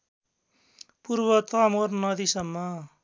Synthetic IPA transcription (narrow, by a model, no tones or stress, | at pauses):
puɾbʌt̪ʌmornʌd̪isʌmːʌ